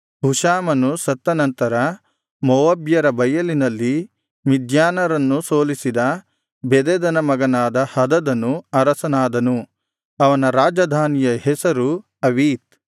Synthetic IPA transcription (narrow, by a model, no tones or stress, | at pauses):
bʱuʃaːmɐnusɐt̪ːɐnɐnt̪ɐɾɐ | mɔʋɐbjɐɾɐbɐjɐlinɐlːi | mid̪ʱjaːnɐɾɐnːusoːlisid̪ɐ | bɛd̪ɛd̪ɐnɐmɐɡɐnaːd̪ɐhɐd̪ɐd̪ɐnuɐɾɐsɐnaːd̪ɐnu | ɐʋɐnɐɾaːd͡ʒɐd̪ʱaːnijɐɦɛsɐɾu | ɐʋiːt̪̚